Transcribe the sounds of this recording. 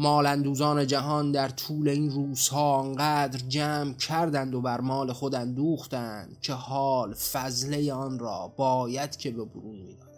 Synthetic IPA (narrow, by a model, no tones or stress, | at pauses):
mɒːlænd̪uːzɒːne̞d͡ʒæɦɒnd̪æɾt̪ʰuːle̞inruːz̥hɒːŋɢæd̪ɾd͡ʒæːmcʰæɾd̪ænd̪o̞bæɾmɒːle̞xo̞d̪ænd̪uːxt̪ænd̪̥cʰe̞hɒːlfæzle̞jeɒnɾɒ̰ːbɒːjæd̪̥cʰe̞beboɾuːnmiːd̪ɒːæ